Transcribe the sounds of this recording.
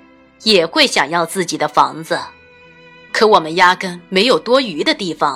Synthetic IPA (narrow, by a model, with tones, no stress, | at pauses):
jɛ˨˩xwe˥˩ɪɕjɑ˨˩ŋjɑ˥˧ʊt͡sɹ̩˥˩t͡ɕi˨˩d̪ə˦fɑ˧˥ŋd͡zə˧ | kʰɤ˧˥wɔ˨˩mə˦nja˥kə˥nme˧˥ɪjo˨˩ʊt̪wɔ˥y˧˥d̪ə˧t̪i˥˩fɑ˨˩